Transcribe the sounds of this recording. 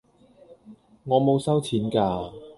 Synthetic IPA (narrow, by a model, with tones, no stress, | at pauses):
ŋɔː˨˧mo˨˧wsɐ˥wt͡sʰiː˨˥nkaː˧